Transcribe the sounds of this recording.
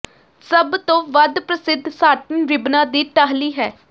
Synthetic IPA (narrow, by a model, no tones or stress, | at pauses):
səbt̪õːʋəd̪pɾəsɪd̪ʱsaːʈənɾɪbnãːd̪iːʈaɦliːɦɛː